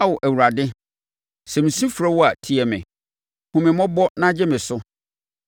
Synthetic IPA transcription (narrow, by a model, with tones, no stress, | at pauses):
a˦wɔ˨ʔæ˨wu˨ɾa˨dɪ˦ | sɛ˨m̩̃˨sĩ˦fɾa˦wɔ˦a˨tʰi˦ɛ˨mɪ̰̃˨ | hʊ̃˨mɪ̃˨mɔ̃˦bɔ˦nã˦d͡ʑɛ˦mɪ̃˨sʊ˦